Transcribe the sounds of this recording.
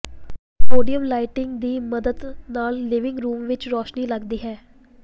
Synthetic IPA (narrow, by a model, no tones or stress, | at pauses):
poːɖijəmlaːɪʈɪ̃ŋɡd̪iːməd̪əd̪naːlːɪʋɪ̃ŋɡɾuːmʋɪt͡ʃɾɔːʃniːləɡd̪iːɦɛː